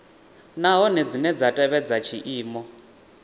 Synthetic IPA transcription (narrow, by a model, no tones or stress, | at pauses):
naɦɔnɛd͡zinɛd͡zatʼɛβɛd͡zat͡ʃʰiʔiːmɔ